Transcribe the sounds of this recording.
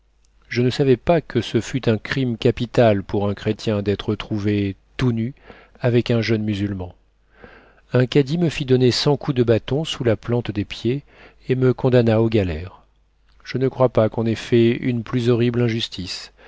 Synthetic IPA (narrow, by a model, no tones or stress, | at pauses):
ʒənəsavɛpakʰəsəfyt̪ɛ̃kχimkʲapit̪alpuʁɛ̃kχet̪jɛ̃d̪ɛt̪χət̪χuvet̪uny | avɛkɛ̃ʒənmyzylmɑ̃ | ɛ̃kad̪iməfid̪ɔnesɑ̃kud̪əbat̪ɔ̃sulaplɑ̃t̪d̪epje | eməkɔ̃d̪anaoɡʲalɛʁ | ʒ̥ənəkχwapakɔ̃nefɛynplyzɔʁiblɛ̃ʒyst̪ʰis